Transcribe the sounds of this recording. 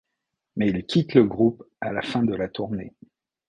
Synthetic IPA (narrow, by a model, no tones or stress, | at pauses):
mɛilkʲʰit̪ləɡʁup | a̰lafɛ̃d̪əlat̪uʁne